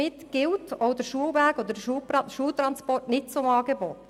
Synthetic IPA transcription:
ɪtɡ̥ɪltoʊd̪əɾʃuəlʋæɡod̪ədʃuːpɾɑʃuːlt̪ɾɑnspɔrtnɪt̚t͡sʊmɑːɡeboːt

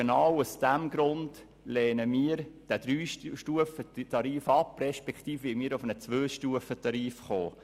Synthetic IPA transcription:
nɑwusd̥æmɡɾʊnd | lɛːnəmiːəɾd̥æd̥ɾyːʃʃtuəfət̪ɑɾiːfɑprɛʃpɛkt̪iːfʋɪmiːɾʊfənət͡sʋøːʃtuəfət̪ɑɾiːfχoː

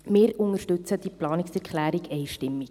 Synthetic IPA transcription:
mɪːɾʊŋəɾʃtɵt͡səd̥iplɑːnɪksɛɾkχlæːɾiɡʰɛɪʃtɪmːik

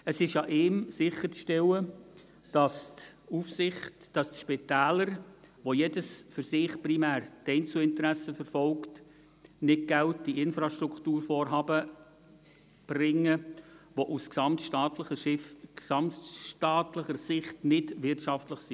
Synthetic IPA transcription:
əsɪʃjɑʔɪːmsɪχːət͡sʃtɛlə | d̥ɑst | ufsɪχtd̥ɑstʃpɪt̪æːləɾʋojedəsfʏɾsɪχprimæːɾtɛɪnt͡suɪntəɾæsəfəɾfɔlkt | nɪt̚ɡ̥ælt̚d̥iɪnfɾɑʃtɾukʰtuːɾfɔːɾɦɑːbə | b̥rɪŋːəʋoʔusksɑmtʃtɑːtləəsɑmtʃtɑːtləχəɾsɪχtnɪdʋɪrtʃɑftləχsi

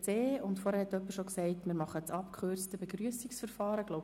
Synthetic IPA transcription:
t͡seːʊntfoɔɾhɛɾhɛtːœpːəʃoksɛɪtmɪːɾmɑχət͡sɑpkʰχøɾrt͡stəbeɡɾyəsiksfəɾfɑːɾəɡ̥lowb

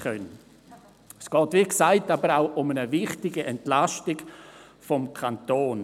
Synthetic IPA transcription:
œn | sɡ̥ɔːtʋiːksaɪtabəɾaʊʔʊmənəvɪχtɪɡəʔɛntlaʃtɪɡ̥fɔmkʰantoːn

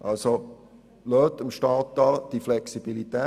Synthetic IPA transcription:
ʔɑ̰lso | løːt̪əmʃtɑːt̪ːɑld̥iflɛksib̥ilit̪ɛː

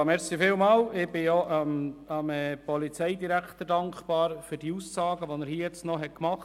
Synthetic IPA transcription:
mɛɾsifɪːlmɑːlɪb̥ɪjoʔɑmɑmɛpɔlit͡sɛɪdiɾækχt̪əɾdɑŋkχpɑːɾføɾd̥iusːɑːɡəʋonəɾhiːəjɛt͡stnɔɦɛt̚kmɑχt

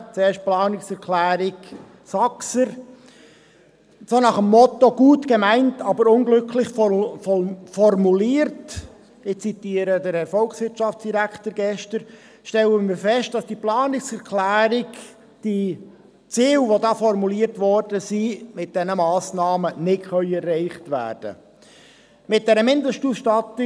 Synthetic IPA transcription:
t͡seːʃt̚plɑːnɪksɛɾkʰlæːɾɪk | sɑksəɾ | sonɑχəmːɔt̪oɡ̥uːtɡemæɪntɑbəɾʊnɡlɵkʰlɪχf | fɔrmuliːəɾt | ɪt͡sitiːəɾədəɾɛɾfɔlksʋɪɾtt͡ʃɑftt͡sd̥iɾækʰtəɾɡɛʃtəɾ | ʃtɛləmɪːɾfɛʃt̚d̥ɑsd̥iplɑːnɪksɛɾkʰlæːɾɪk | d̥i | t͡siːwʋodɑːfɔɾmuliːərtʋɔrdəsimɪt̚d̥ɛnəmɑːsnɑːmənɪtχœʏɛrːɛɪχtʋæ̰ːrd̥ə̰ | mɪt̚d̥ɛɾəmɪndəʃtusʃtɑtɪ

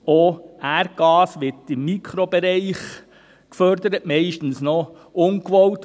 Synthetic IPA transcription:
oæɾɡ̥ɑːsʋɪtɪmːikʰχɾɔb̥ɛɾɛɪχ | kfœɾdəɾətmɛɪʃtn̩snɔ | ʔʊŋkʋɔwt

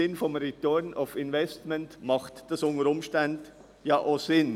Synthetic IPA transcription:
ɪnfɔmɾitɔnaʊfɪnvɛstmɛntmɑχtd̥ɑsʊnəɾʊmʃtand | jɑːʔaz̥ɪn

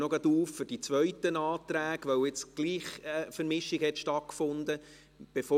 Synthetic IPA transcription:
nɔɡɑd̪uːffʏɾd̥it͡sʋœɥtənɑːt̪ɾæːɡʋœwɪt͡sɡ̥liːχfəɾmɪʃɪɡhɛt̪ʃtɑt̚kfʊnd̪ə | b̥efo

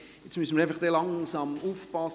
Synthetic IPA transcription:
jɛt͡smysəməɾæɪfɑχd̥ɛlɑŋsɑmuːfpɑs

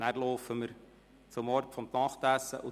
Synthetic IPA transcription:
nærlɔʊfəməɾ | t͡sʊmɔɾpfɔmt̪ɑχt̪æsəʔʊ

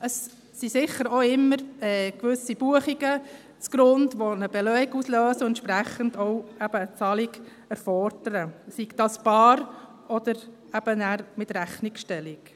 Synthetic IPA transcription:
əsː | isɪχəɾɔɪmːəɾɛːkʋʏsib̥uəχiɡə | t͡sɡ̥ɾʊndʋɔnəb̥ɛlœiɡusløːsəɛnʃpɾæχənd̥ɔʊæb̥əːt͡sɑliɡ | æɾfɔɾd̥əɾəsiɡdɑsb̥ɑːɾ | ɔd̥̪əɾ | æb̥ənæɾmɪtɾæχnikʃtɛlik

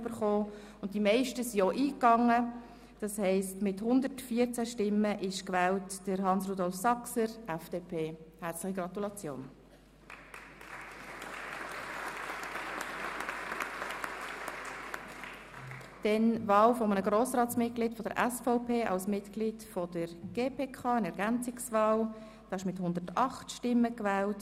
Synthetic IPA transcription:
b̥əɾχoː | ʊnt̚dimɛɪʃtəsioʔiːkɑŋːə | d̥ɑshɛɪstmɪthʊnd̪ətfiəɾt͡sæʃtɪməʔɪʃkʋɛːltd̥əɾɦɑnsrudɔlfsɑksəɾʔɛfd̥eːpʰeːhæɾt͡slɪχiɡɾɑt̪ulɑt͡sjo̰ːn | d̥ɛnvɑːlfɔmənəɡɾoːsɾɑːtt͡smɪt̚ɡ̥lɪːtfɔd̥̪ə̰ɾʔɛsfɔʊpʰeːʔɑ̰lsmɪtklidfɔd̥əɾɡ̥eːpʰeːkʰɑːənɛɾɡænt͡sɪksvɑːl | d̥ɑːɪʃmɪthʊnd̪ətɑχtʃtɪmːəkvɛːlt

